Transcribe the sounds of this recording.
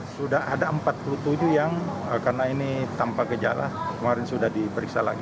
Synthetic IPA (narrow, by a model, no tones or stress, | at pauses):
sudaɦa̰daəmpat̪̚pulut̪ud͡ʒujaŋəkarnainit̪ampakəd͡ʒa̰la̰kəmaɾɪnsudahdipəɾiksala̰ɡi